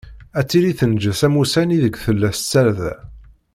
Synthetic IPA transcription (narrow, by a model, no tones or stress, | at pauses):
æt͡sːiɾiθənd͡ʒəsæmusæniðəɡʷθəlːæst͡sːælðæ